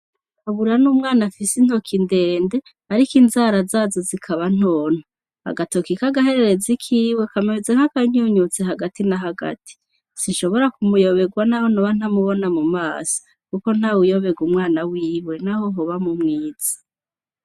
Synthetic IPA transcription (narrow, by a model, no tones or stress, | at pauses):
kaβuɾanumŋaːnafisin̥ho̞kʰindeːnde̞ | haɾikinzaɾazaːzozikʰaβan̥oːn̥a | ha̰ɡatokikaɡaɦe̞ɾe̞ɾezikʰiːwe̞kameβizeŋ̥akaɲuːɲut͡seɦaɡatinaɦaɡa̰tʰi̥ | sinʃo̞βo̞ɾakumujo̞βe̞ɡwanahonoβan̥hamuβo̞namumaːso̥ | kuko̞n̥awujo̞βe̞ɡumŋaːnawiːwe̞naho̞ɦoβamumŋiːz̥ḁ